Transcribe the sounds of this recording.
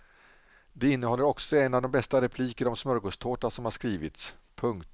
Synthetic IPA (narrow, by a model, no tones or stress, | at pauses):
d̪ɛɪnːəɦɔlːəɾɔksɔɛnːavd̪ɔmbɛst̪aɾɛpʰliːkəɾɔmsmœɾɡost̪ʰoːʈasɔmhaʂkɾiːvɪt̪spʰɵŋkt̪